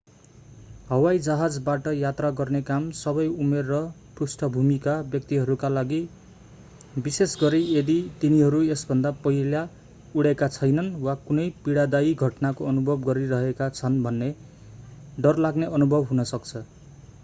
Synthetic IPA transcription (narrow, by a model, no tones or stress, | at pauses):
ɦʌwajd͡zaɦad͡zbaʈʌjat̪raɡʌrnekamsʌβʌjumerːʌ | prusʈʰʌbʱumikabjʌk̚t̪iɦʌɾukalaɡi | bisesɡʌɾied̪it̪iniɦʌɾuesbʱʌnd̪apʌɦila | uɽekat͡sʰʌjnʌnwakunʌjpiɽad̪aiɡʱʌʈnakoʌnubʱʌbɡʌɾiɾʌɦekat͡sʰʌnbʱʌnːe | ɖʌrlaɡneʔʌnubʱʌbɦunʌsʌkt͡sʰʌ